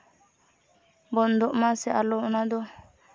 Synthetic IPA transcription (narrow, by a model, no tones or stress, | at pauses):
bɔnd̪ɔʔmasɛʔalɔnad̪ɔ